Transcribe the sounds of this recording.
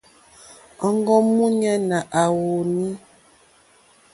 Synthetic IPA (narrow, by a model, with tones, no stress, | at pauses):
ɔ˨ŋ˦ɡɔ˦mu˦ɲa˦na˨ʔa˨wo˨ni˦